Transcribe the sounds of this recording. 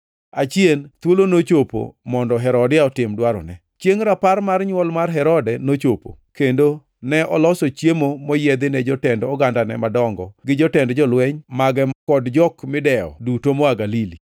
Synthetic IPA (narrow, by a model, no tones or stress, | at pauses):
at͡ʃient̪wolonot͡ʃopo̰mɔndɔɦɛɾɔdɪaɔtɪmdwaɾɔ̰nɛ | t͡ʃjeŋɾaparmarɲwɔlmarɦɛɾɔdɛnot͡ʃopo̰kendo | nɛʔɔlɔsot͡ʃjemomɔjɛd̪ɪnɛd͡ʒɔtɛndɔɡandanɛ̰madɔŋɡɔɡɪd͡ʒɔtɛndd͡ʒɔlwɛɲmaɡɛkɔdd͡ʒɔkmɪdɛɔ̰dutomɔaɡalili